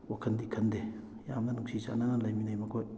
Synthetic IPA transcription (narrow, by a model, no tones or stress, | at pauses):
wakʰɐndikʰɐnd̪e | jamɐnuŋsisa̰nanalɐjminajmɐkʰoj